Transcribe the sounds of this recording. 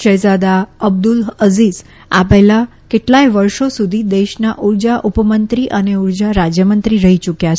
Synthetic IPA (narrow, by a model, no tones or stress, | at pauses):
ʃəjsad̪aəb̚d̪ulɦəziz | a̰pɛla | keʈlajʋəɾʃosud̪ʱid̪eʃnaʔuɾd͡ʒaʔupəmənt̪ɾiʔəneuɾd͡ʒaɾad͡ʒjəmənt̪ɾiɾəɦit͡ʃukjat͡ʃʰ